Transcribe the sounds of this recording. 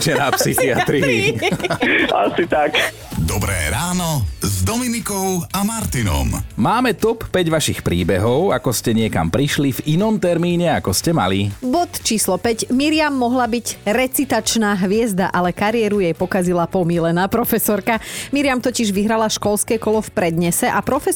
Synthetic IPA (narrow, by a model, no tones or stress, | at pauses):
t͡ʃɛnapsixiat̪ɾi | a̰sit̪ak | d̪ɔbɾɛ̰ːɾaːnɔzd̪ɔminikɔʊamaɾt̪inɔ̰mmaːmɛt̪ɔpːɛɟʋaʃixpɾiːbɛɦɔʊakɔscɛɲɪɛka̰mpɾiʃlivinɔmt̪ɛɾmiːɲɛakɔscɛma̰libɔt̪t͡ʃiːslɔpɛcmiɾɪamːɔɦlabiɟɾɛt͡sit̪at͡ʃnaːɦʋɪɛzd̪aʔalɛkaɾɪjɛɾujɛjpɔkazilapɔmilɛnaːpɾɔfɛsɔɾkamiɾɪamt̪ɔciʒʋiɦɾalaʃkɔlskɛːkɔlɔfpɾɛd̪ɲɛsɛʔapɾɔfɛ